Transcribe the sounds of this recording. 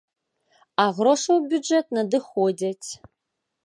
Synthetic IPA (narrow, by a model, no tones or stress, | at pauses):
aʁroʂɐwbʲud͡ʒet̚nɐdɨxoːdʲɐtʰ